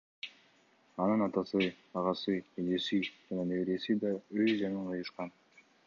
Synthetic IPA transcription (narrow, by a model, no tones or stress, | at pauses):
ɑnɯnɑt̪ɑsɯ | ɑʁɑsɯed͡ʒ̪e̞sid͡ʒɑnɑneβeɾe̞sid̪ɑøzd͡ʒɑɴɯnqʰɯjɯʃqɑn